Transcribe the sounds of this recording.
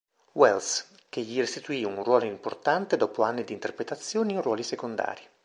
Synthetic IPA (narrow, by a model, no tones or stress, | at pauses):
wɛls | k̟eʎːirest̪it̪uiunrwɔːloimport̪ant̪ed̪ɔːpoanːid̪iːnt̪erpɾet̪at̪sːjoːniinrwɔːlisekond̪a̰ːɾi